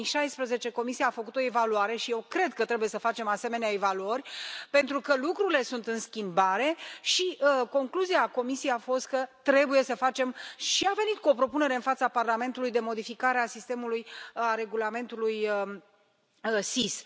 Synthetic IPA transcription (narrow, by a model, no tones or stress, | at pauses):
iʃajspɾəze̞t͡ʃe̞ko̞misijaːfəkut̪o̞e̞valuaɾe̞ʃije̞wkɾe̞d̪kət̪ɾe̞buje̞səfat͡ʃe̞mase̞me̞neaevaluərʲpe̞nt̪ɾukəlukɾuɾile̞sunt̪ɨnskʲimbaɾe̞ʃiəko̞ŋkluziako̞misieafo̞st̪̚kət̪ɾe̞buje̞səfat͡ʃe̞mʃiave̞nit̪kuo̞pɾo̞pune̞ɾe̞ɨnfat̪saparlame̞nt̪ulujd̪e̞mo̞d̪ifikaɾeasist̪e̞mulujaɾe̞ɡulame̞nt̪uluj | sis